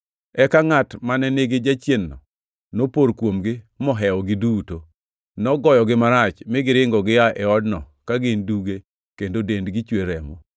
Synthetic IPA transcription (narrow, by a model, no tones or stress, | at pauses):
ɛkaŋatmanɛneɡed͡ʒat͡ʃjenːɔ̰ | nopoɾkwomɡɪ | mɔɦɛɔɡɪduto | nɔɡɔjɔɡɪmaɾat͡ʃmɪɡɪɾɪŋɡɔɡɪaʔɛɔdnɔ | kaɡɪnduɡe | kendodendɡɪt͡ʃweɾɛmo